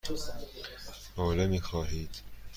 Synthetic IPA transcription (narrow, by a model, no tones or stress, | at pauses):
moːlemiːxɒːɦiːd̪̥